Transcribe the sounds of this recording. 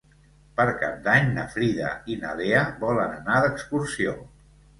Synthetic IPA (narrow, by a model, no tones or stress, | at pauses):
pəɾka̰p̚d̪aɲnə̰fɾiðə̰inəleəβɔlənənaðəkskursio